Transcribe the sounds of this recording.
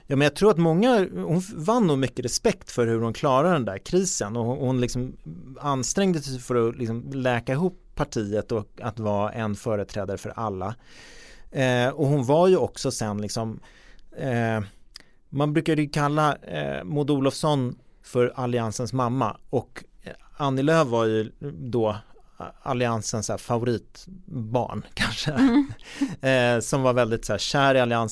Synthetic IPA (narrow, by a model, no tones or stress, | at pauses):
jɑːmɛnjaɡt̪ʰɾuːɾat̪mɔŋːahʊnvanːuːmʏkːəɾɛspɛkt̪fœɾhɵɾhʊnkʰlɑːɾad̪ɛnd̪æɾkʰɾiːsənɔhʊnlɪksɔmanst̪ɾɛŋd̪əsɛfœɾɔlɪksɔmlɛːkaɪɦʊpʰːaʈʰiːət̪ɔat̪vɑːʔɛnfœːɾət̪ʰɾɛːd̪aɾəfœɾʔalːa | ɔhʊnvaɾjɵɔksɔsɛnlɪksɔm | manbɾʉ̟ːkad̪əjɵkʰalːa̰mʊd̪uːlɔfsɔnfœɾalɪansənsmamːa̰ɔk | anːɪløːvːaɾjɵd̪ɔ | alɪansənsæːfavʊɾiːt̪bɑ̰ːɳkʰanʂə | sɔmvaɾvɛld̪ɪt̪sæːɕæːɾɪalɪans